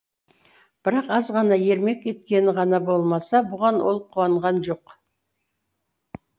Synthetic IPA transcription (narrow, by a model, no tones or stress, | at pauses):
b̥ɪɾɑqɑzʁɑnɑje̞ɾme̞ke̞t̪kʲe̞nɪʁɑnɑbo̞lˠmɑsɑbʊʁɑnwo̰lˠəp̚qʰuɑɴʁɑnʒo̞q